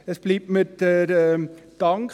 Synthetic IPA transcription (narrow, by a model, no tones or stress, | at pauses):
əsb̥liːp̚mɪtəɾd̥ɑŋk